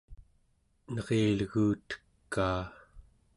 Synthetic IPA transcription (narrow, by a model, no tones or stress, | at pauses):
nʌʁealɣuːt̪ə̥kːaː